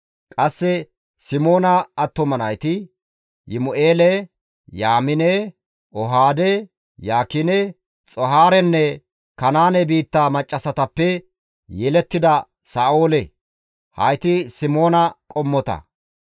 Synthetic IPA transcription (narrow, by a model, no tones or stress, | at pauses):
kʼɐsːɛ | sɪmo̞ːnɐːt̪ːɔmɐnɐjt̪ɪ | jɪmʊʔeːlɛ | jaːmɪnɛ | ʔɔɦaːd̪ɛ | jaːkɪnɛ | t͡sʼɔɦaːɾɛnːɛ | kɐnaːnɛbiːt̪ːaːmɐt͡ʃʼːɐsɐt̪ɐpːɛ | jɛlɛt̪ːɪd̪ɐ | saːʔoːlɛ | hɐ̰jt̪ɪsɪmo̞ːnɐkʼɔmːɔt̪ɐ̰